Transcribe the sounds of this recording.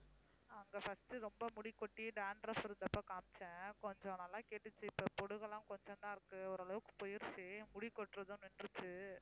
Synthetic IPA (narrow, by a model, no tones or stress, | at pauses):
ɐŋɡɐfɐsʈɯɾɔmbɐmʊɽɪkːɔʈːiɖaːnɾɐsɪɾɯnd̪ɐpːɐːkaːmt͡ʃːɛ̃ːkɔɲd͡ʒɔ̃nɐlːãːkeːʈːɯt͡ʃːɯɪpːɐpɔɽɯɣɐɭãːkɔɲd͡ʒɔ̃nd̪ãːɪɾɯkːɯɔɾɐlɐʋɯkːɯ̥pɔjɪɾsemʊɽɪkːɔʈːɾɐðɯnɛnɾɯt͡ʃːɯ